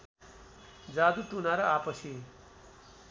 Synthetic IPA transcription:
d͡zaːd̪uʈunaɾʌapʌsi

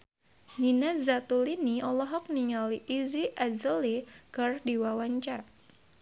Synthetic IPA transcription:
ninazat̪uliniɔlɔɦɔk̚niŋaliʔiziʔazəlikərdiwawaɲt͡ʃar

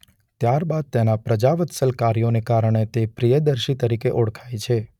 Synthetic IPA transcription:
t̪jaɾbad̪̚t̪enapɾəd͡ʒaʋət̪səlkaɾijonekaɾəɳ̃et̪epɾijəd̪əɾʃit̪əɾikeʔoɽkʰajt͡ʃʰe

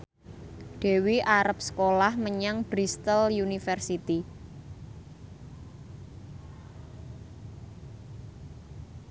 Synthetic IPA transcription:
ɖ̪̥e̤wiʔaɾəp̚sə̥kolahməɲaŋb̥ɾist̪əljunifɛrsit̪i

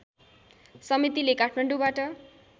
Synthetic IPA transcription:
sʌmit̪ilekaʈʰmaɳɖubaʈʌ

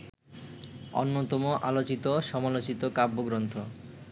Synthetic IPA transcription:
o̰nːot̪ɔmoʔalot͡ɕit̪oʃɔmalot͡ɕit̪okabːoɡɾont̪ʰo

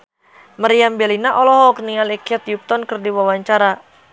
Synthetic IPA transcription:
maɾiambɛlinaʔɔlɔɦɔknialɛkɛt̪juk̚t̪ɔnkɨrdiwawaɲt͡ʃaɾa

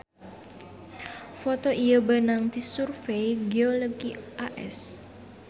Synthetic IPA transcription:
fɔt̪ɔʔijəbənaŋt̪isurfejɡeoloɡiʔaʔɛ̰s

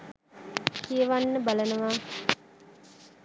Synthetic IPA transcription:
kijəʋanːəbalənəʋaː

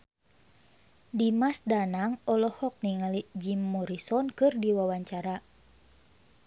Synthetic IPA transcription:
dimasdanaŋɔlɔhɔk̚niŋalid͡ʒimːɔɾisɔnkɨrdiwawaɲt͡ʃaɾa

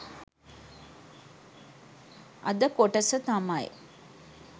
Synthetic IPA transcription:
ɐd̪əkoʈəsət̪amaj

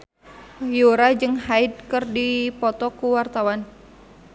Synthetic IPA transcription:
juɾad͡ʒɨŋhaid̚kɨrdipɔt̪ɔkuwart̪awan

